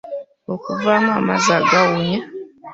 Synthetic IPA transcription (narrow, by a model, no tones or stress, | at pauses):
okuvaːmamazaɡawe